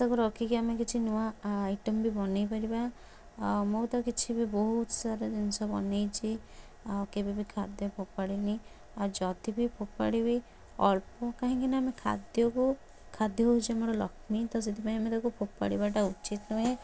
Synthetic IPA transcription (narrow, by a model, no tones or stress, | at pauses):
t̪ɔkuɾɔkʰikiamekit͡ʃʰinuaːjʈɔmbibɔnejpaɾiba | mot̪ɔkit͡ʃʰibibɔɦut̪ɔsaɾɔd͡ʒinsɔbɔ̰nejt͡ʃʰi | kebibikʰad̪jɔpʰopaɽini | ad͡ʒɔd̪ibipʰopaɽibi | ɔlpɔkaɦĩkinaamekʰa̰d̪jɔku | kʰad̪jɔɦoɦut͡ʃʰiemɔɽɔlɔ̰kʰmit̪ɔs̬et̪ʰipaĩamet̪akupʰopa̰ɽibaʈ̬aut͡ʃit̪nuɦe